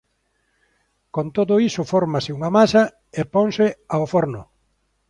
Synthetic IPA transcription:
kont̪oðʊisʊfɔɾmasɪuŋamasɐ | epoŋsɪaofoɾnʊ

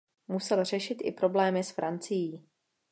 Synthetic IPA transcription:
musɛlr̝ɛʃɪt̪ʔɪ̰pɾo̞blɛːmɪsfɾant͡sɪjiː

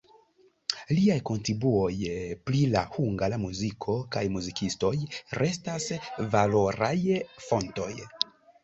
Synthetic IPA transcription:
liajko̞ntɾibuo̞jplila̰huŋɡalamuzikʰo̞kajmuzikisto̞jɾʔe̞stasvalo̞ɾajfo̞nto̞̰j

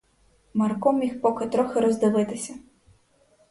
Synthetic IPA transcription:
mɐrkɔmʲixpɔkɪt̪ɾɔxɪɾɔzd̪ɪlˠɪt̪ɪsʲɐ

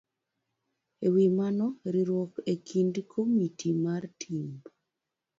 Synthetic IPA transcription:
ewimanɔɾiɾwokekʰindkʰomitʰimartʰim

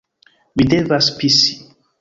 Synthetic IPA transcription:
widevaspisi̥

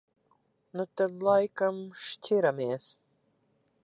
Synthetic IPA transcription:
nut̪ad̪lˠajkamʃtʲʰiɾamiɛs

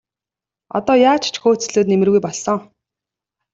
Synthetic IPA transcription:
ɔ̰t̪ɔːjaːt͡ɕʰt͡ɕʰxoːt͡s̆ɮoːt̪nemɘ̆rɣujpɔɮsɞ̆ŋ

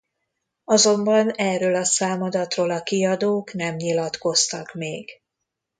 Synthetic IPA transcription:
ɒzo̞mbɒnɛːrøːlɒsaːmɒd̪ɒt̪roːlɒkiɒd̪oːknɛmɲilɒt̪ko̞st̪ɒkmeːɡ̥

